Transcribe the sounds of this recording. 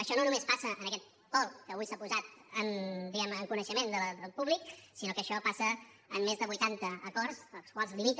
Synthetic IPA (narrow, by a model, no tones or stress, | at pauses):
əʃɔnonumespasəʔənəkɛt̪̚ | kɔlkəβujsapuzat̪ənd̪iɛməŋkunəʃəmend̪əd̪əlˠpuβliksinokəʃɔpasəəmːezðəβujt̪ant̪əəkɔrzəlˠskwalˠzlimit̪